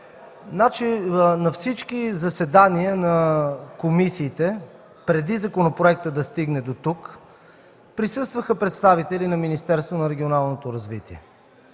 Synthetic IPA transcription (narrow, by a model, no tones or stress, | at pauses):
nat͡ʃinɐfsit͡ʃkizɐsɛd̪aniənɐkomisiːt̪ɛ | pɾɛd̪izɐkonopɾoɛk̚t̪əd̪ɐst̪iɡnɛd̪ot̪uk | pɾisɤst̪vəxəpɾɛt̪st̪avit̪ɛlinɐminist̪ɛɾst̪vonɐɾɛɡʲionalˠnot̪oɾɐzvḭt̪iɛ̰